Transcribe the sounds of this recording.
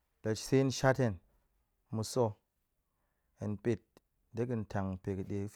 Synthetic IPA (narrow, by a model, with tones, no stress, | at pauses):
d̥a˨se˦n̩˦ʃa˦te˨n | mu˧sɔ˧ | e˨npe˨t̚ | de˦kɨ˧˦n̩˨tʰa˨ŋ˨pe˨kɨ˨ɗe˧˦